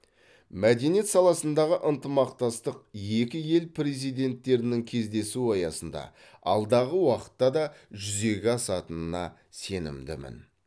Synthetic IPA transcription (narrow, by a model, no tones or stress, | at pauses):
mæd̪e̞nije̞t̪sɑlˠɑsənd̪ɑʁəʔənt̪əmɑqt̪ɑst̪əqje̞kʲɪje̞lpʰrezijd̪e̞nt̪ːe̞ɾɪnɪŋkʲʰe̞zd̪e̞suɑjɑsənd̪ɑ̰ | ɑ̰lˠd̪ɑʁəwɑqə̥t̪ːɑd̪ɑʒʏze̞ɡʲɪɑsɑt̪ənənɑ̰ | se̞nɪ̰md̪ɪmɪ̰n